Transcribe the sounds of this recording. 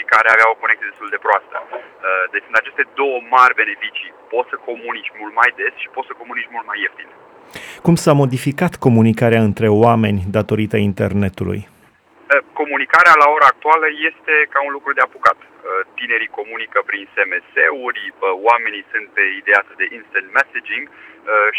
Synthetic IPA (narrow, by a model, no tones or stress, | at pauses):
kaɾeaveao̞ko̞nekt̪ijed̪et̪uld̪e̞pɾoast̪ə̰əd̪et͡ʃsɨnt̪at͡ʃe̞st̪e̞d̪o̞wəmarʲbe̞ne̞fit͡ʃipo̞t̪səko̞munit͡ʃmult̪̚majd̪e̞sʃi̥pot̪səko̞munit͡ʃmult̪̚majeft̪in | kumsamo̞d̪ifikat̪ko̞munikaɾeaɨnt̪ɾe̞oame̞nʲd̪at̪o̞ɾit̪aint̪e̞rne̞t̪ulṵj | əko̞munikaɾealao̞ɾaːk̚t̪ualəje̞st̪e̞kaunlukɾud̪e̞abukat̪ | ət̪ine̞ɾiko̞munikəpɾinsemeseuɾʲəwame̞nisunt̪̚peid̪easd̪eʔinst̪ənt̪mesed͡ʒiŋɡəʃ